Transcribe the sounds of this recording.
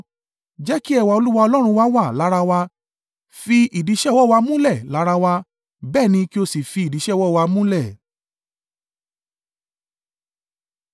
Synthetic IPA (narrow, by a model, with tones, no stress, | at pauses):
d͡ʒɛ˦ki˦ɛ˧wa˧o˧lu˦wa˧ɔ˧lɔ˦ɾ̃ũ˧wa˦wa˦˨la˨˦ɾa˧wa˧ | fi˧ʔi˨di˨˧˦ʃɛ˦˨wɔ˦˨wa˧mũ˦lɛ˦˨la˨˦ɾa˧wa˧ | bɛː˦˨nĩ˧ki˦o˧si˨fi˧i˨di˨˦ʃɛ˦˨wɔ˦˨wa˧mũ˦lɛ˦˨